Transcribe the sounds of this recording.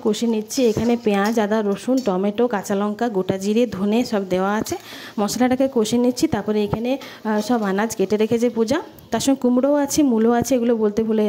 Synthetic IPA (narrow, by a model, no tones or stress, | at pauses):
koʃenitːt͡ɕʰiekʰanepeãd͡ʑad̪aɾoʃunʈɔmeʈokat͡ɕalɔŋkaɡoʈad͡ʑiɾed̪ʱoneʃɔbd̪eoaat͡ɕʰe | mɔʃalaʈakekoʃenitːt͡ɕʰit̪aɾpɔɾeekʰane | ʃɔbanad͡ʑkeʈeɾekʰet͡ɕʰepud͡ʑa | t̪aɾʃɔnekumɽoat͡ɕʰimuloat͡ɕʰeeɡulobolt̪ebʱole